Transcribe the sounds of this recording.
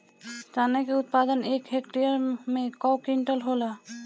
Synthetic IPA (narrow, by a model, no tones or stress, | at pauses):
d͡ʒanekeut̪̚pad̪ənekɦekʈijəɾmekɔwkiɳʈəlɦolə